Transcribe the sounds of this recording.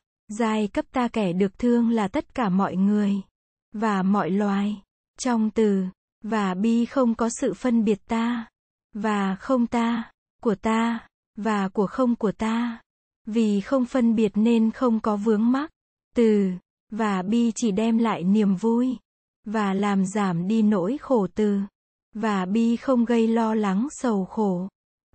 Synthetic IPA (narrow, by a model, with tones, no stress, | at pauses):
zaː˨˩jkə˦˥p̚t̪aː˧kɛ˧˩ɗɨ˨˩ək̚t̪ʰɨ˧əŋlaː˨˩t̪ə˦˥t̚kaː˧˩mɔ̰˧˨jŋɨ˨˩əj | vaː˨˩mɔ̰˧˨jlwaː˨˩j | t͡ɕɔ˧wŋ͡mt̪ɨ˨˩ | vaː˨˩ɓi˧xə˧wŋ͡mkɔ˨˦sɨ̰˧˨fə˧nɓi˨˩ət̚t̪aː˧ | vaː˨˩xə˧wŋ͡mt̪aː˧ | ku˧˩ət̪aː˧ | vaː˨˩ku˧˩əxə˧wŋ͡mku˧˩ət̪aː˧ | vi˨˩xə˧wŋ͡mfə˧nɓi˨˩ət̚ne˧nxə˧wŋ͡mkɔ˨˦vɨ˨˦əŋma˦˥k̚ | t̪ɨ˨˩ | vaː˨˩ɓi˧t͡ɕi˧˩ɗɛ˧mla̰ː˧˨jni˨˩əmvu˧j | vaː˨˩laː˨˩mzaː˧˩mɗi˧no̰˧˥jxo˧˩t̪ɨ˨˩ | vaː˨˩ɓi˧xə˧wŋ͡mɣə˧jlɔ˧la˨˦ŋsə˨˩wxo˧˩